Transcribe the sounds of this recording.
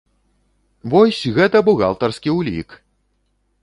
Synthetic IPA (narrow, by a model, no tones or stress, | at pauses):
vɔsʲɣɛt̪ɐbuɣa̰lˠt̪ɐrskʲiwlʲḭk